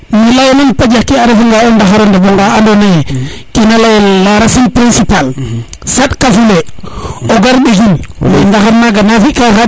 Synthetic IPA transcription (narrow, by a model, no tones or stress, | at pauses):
milajnanpad͡ʒakiaɾefiŋɡaondaxaɾondeboŋɡaandonekinalajlaɾasinpɾinsipal | saɗkafuleoɡaɾɗiɡinmendaxaɾnaɡanafikaxa